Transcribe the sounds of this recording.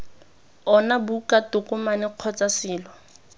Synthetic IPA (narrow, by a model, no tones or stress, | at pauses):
ɔnabukatʊkʼʊmanɪq͡χʰɔt͡sasɪːlɔ